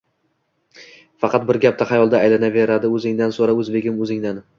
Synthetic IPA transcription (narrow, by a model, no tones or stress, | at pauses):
fɑqʰɑt̪̚bɪɾɡʲap̚t̪ahɑjɒlˠd̪aːjlanave̞ɾad̪ɪɵzɪŋd̪ansoɾaɵzbe̞ɡʲɪmɵzɪŋd̪an